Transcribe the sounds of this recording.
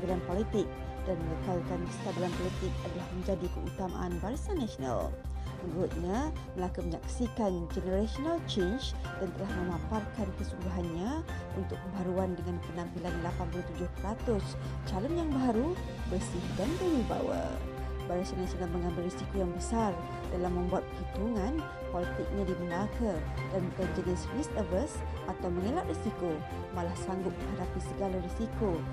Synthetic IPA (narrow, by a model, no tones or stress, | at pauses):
diɾanpolit̪ɪk̚ | d̥anməŋəkaukanst̪adilanpɔlit̪ɪk̚adalahməɲd͡ʒadikəut̪ama̰ʔanbaɾisanasiona̰l | mənɾut̪̚ɲaməlakuməɲak̚sikand͡ʒənəɾasonalt͡ʃend͡ʒd̥ant̪əlahməmãmparkankəsudaɦanɲaunt̪ʊk̚kəmbaɾuandəŋanpənãmpilanlapanpuut̪ud͡ʒʊhpəɾat̪ʊs | t͡ʃalɔnjaŋbaɾu | bərsɪhdant̪aŋdiba̰wa̰ | baɾasanasalaməŋambɪlresikojaŋbəsar | dalamːə̃mbuat̪̚pəhit̪uŋãn | pɔlit̪ɪk̚ɲadiməlakadankəd͡ʒənisfist̪əbəs | ʔat̪awməŋelaʔrisiko | malahsaŋɡʊt̪̚məŋɦadapisəɡalaresiko